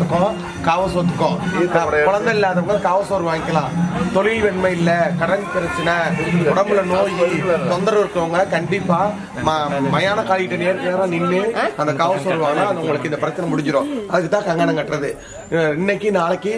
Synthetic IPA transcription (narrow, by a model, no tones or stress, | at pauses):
ɯkːõ | kaːʋɐsot̪ːɯ̥kːõkʊɭɐnd̪ɐ̃ɪlːaːɐðɐʋʊŋɡɐkaːʋɐsoːɾɯʋaːŋɡɪkːɐlãːt̪ɔɭɪlʋɛɳmɐɪlːɐkɐɾɐɳʈpɪɾɐt͡ʃːɐnɐʊɽɐmbɪlɐnoːjit̪ɔnd̪ɐɾɐʋɪɾɯkːɐɐŋɡɐkɐɳɖɪpːaː | mmɐjaːnɐkaːɭɪʈːɐneːɾkeːɾãːnɪnːɯɐnd̪ɐkaːʋɐsoːɾɯʋaːŋɡɐnãːɐɐʋʊŋɡɐɭɯkːɯɪnd̪ɐpɪɾɐt͡ʃːɐnɐmʊɽɪɲd͡ʒɪɾõːɐðɯkːɯt̪ːãːkɐŋɡanɐŋɡɐʈːɾɐðɯ | ɪnːɛkːɯnaːɭɐkːɯ